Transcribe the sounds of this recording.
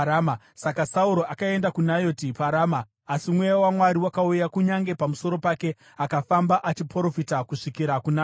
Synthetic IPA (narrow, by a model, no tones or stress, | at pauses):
ama | sakasauɾo̞ʔakae̞ndakunajo̞tipaɾaːmaː | simwejawamwaɾiwakaujakuɲaŋɡe̞pamuso̞ɾo̞pake̞ | akafambaʔat͡ʃipoɾo̞fitakuʂikiɾakunaː